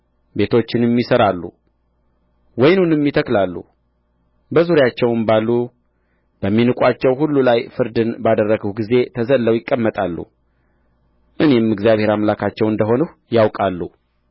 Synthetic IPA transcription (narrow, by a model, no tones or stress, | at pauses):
be̞t̪ʰo̞t͡ʃːɪnmːisəɾalːṵ | wɔjnunɨmːit̪ʰəklalːṵ | bəzuɾjat͡ʃːɛwɨmbalːu | b̥əmːinɨkʷʼat͡ʃːɛwhulːulajfɨɾd̪ɨnbad̪ərːəɡəhɡize̞t̪ʰəzəlːəwjɪkʼːəmːət̪ʼalːṵ | ʔɨnemɨɡzijaβhe̞ɾamlakʰat͡ʃːɛwɨnd̪əɦo̞nuh | jawkʼalːu